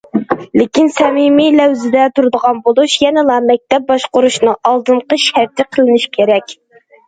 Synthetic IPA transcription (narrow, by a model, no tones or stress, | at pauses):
lɪkʲinsɛmimilɛwzɪd̪ɛt̪ʰuɾɨd̪əʁɑnbolˠuʃjɛnɛlˠɑmɛk̚ʲt̪ɛp̚bɑʃqʊɾuʃnɨɑlˠd̪ɨɴqəʃæɾt̪ʰɪqʰəlˠɪnɪʃkʲʰeɾɛkʲ